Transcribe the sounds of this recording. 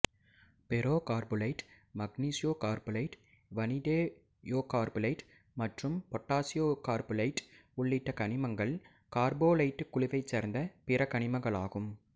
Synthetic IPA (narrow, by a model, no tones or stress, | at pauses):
pɛɾoːkaːɾbɯlɐɪʈ | mɐɡniːsɪjoːkaːɾbɯlɐɪʈ | ʋɐnɪd̪eː | joːkaːɾbɯlɐɪʈ | mɐʈrɯmpɔʈːaːsɪjoːkaːɾbɯlɐɪʈʊɭːɪʈːɐkɐɳɪmɐŋɡɐɭ | kaːɾboːlɐɪʈːɯkːʊɭɪʋɐɪt͡ʃːeːɾnd̪ɐpɪɾɐkɐɳɪmɐɣɐɭaːɣɯm